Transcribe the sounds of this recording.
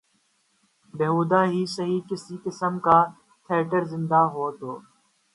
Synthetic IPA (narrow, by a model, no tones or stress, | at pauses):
beɦuːd̪aːɦisɐɦiːkɪsikɪsəmkaː | t̪ʰeːʈəɾzɪ̃nd̪aɦoːt̪oː